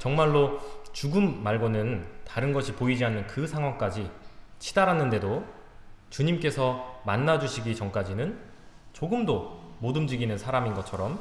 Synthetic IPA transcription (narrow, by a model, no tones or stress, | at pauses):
t͡ɕʌŋmaɭːot͡ɕuɡɯmːaɭɡonɯntaɾɯnɡʌɕʰipoid͡ʑianːɯnkɯsʰaŋɦwaŋk͈ad͡ʑit͡ɕʰidaɾanːɯnde̞do | t͡ɕuɲimk͈e̞sʰʌmanːad͡ʑuɕʰiɡit͡ɕʌŋk͈ad͡ʑinɯn | t͡ɕoɡɯmdomodɯmd͡ʑiɡinɯnsʰaɾaminɡʌt͡ɕʰʌɾʌm